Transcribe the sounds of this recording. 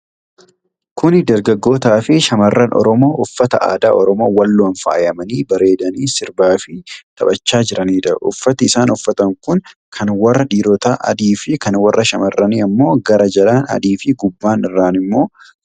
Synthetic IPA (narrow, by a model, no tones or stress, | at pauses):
kʊnd̪ɐɾɡɐɡːo̞ːt̪aːfɪʃɐmɐrːɐnʔɔ̰ɾɔmo̞ːʔʊfːɐt̪ɐʔa̰ːd̪a̰ːɔɾɔmo̞ːwɐlːoːɐnfa̰ːjɐmɐniːbɐɾe̞ːd̪ɐniːsɪɾbaːfɪt̪ʰɐbɐt͡ʃːaːd͡ʒɪɾɐniːᶑɐʔʊfːɐt̪ɪɪsaːnʊfːɐt̪ɐŋkʊn | kʰɐnwɐrːɐᶑiːɾoːt̪aːʔɐ̰d̪iːfɪkɐnwɐrːɐʃɐmɐrːɐniːɐmːo̞ːɡɐɾɐd͡ʒɐlaːnɐ̰d̪iːfɪɡʊbːaːnɪrːaːnɪmːo̞ː